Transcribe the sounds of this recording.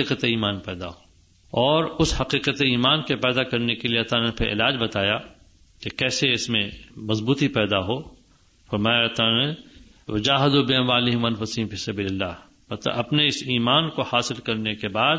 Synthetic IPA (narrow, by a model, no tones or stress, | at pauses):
iːqət̪eiːmaːnpɛːd̪a̰ɦoː | ɔːɾʊshɐqiːqət̪eiːmaːnkepɛːd̪akɐɾnekelieɐt̪anepʰɪʔɪ̰laːd͡ʒbɐt̪aːja | kekɛːseɪsmẽmɐzbuːt̪ipɛːd̪aɦo | fɐɾmaːjat̪ane | ʋɐd͡ʒaːɦɪd̪obɪɐʋaːlɪɦmɐnfʊsiːnfiːsɐbiːlɪlːa̰ːɦ | mɐt̪ɐpneɪsiːmaːnkohaːsɪlkɐɾnekebaːd̪